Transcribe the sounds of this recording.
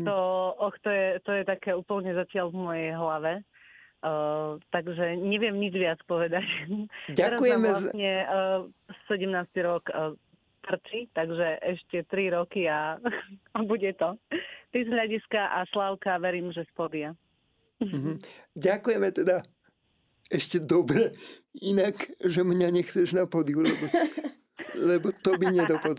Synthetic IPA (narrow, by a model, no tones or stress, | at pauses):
t̪ɔɔxt̪ɔjɛt̪ɔjɛt̪akɛːuːpl̩ɲɛzacɪaʎvmɔjɛjɦlaʋɛ | t̪aɡʒɛɲɛʋɪɛmɲid͡ʒʋɪat͡spɔʋɛd̪actaɛɾazujɛamɛaɲɛ | sɛɟɛmnaːst̪iɾɔkː | p̪r̩t͡ʃit̪aɡʒɛʔɛʃcɛt̪ɾiɾɔkia | abuɟɛt̪ɔt̪izɦʎaɟiskaʔaslaʊkaʋɛɾiːmʒɛspɔd̪ɪa | m̩ɦmɟakujɛmɛt̪ɛd̪a | ɛʃcɛd̪ɔbɾɛinakʒɛmɲaɲɛxt͡sɛʒnapɔd̪iulɛbɔ | lɛbɔt̪ɔbiɲɛd̪ɔpɔd̪